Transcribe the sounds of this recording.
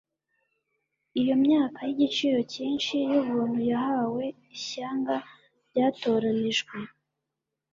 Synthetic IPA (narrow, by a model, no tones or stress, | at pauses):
ijo̞mɲaːkajiɟit͡ʃiːɾo̞ciːnʃijuβuːn̥hujaɦawe̞ | iɕaːŋɡa | ɾɟaːto̞ɾaniʒɡwe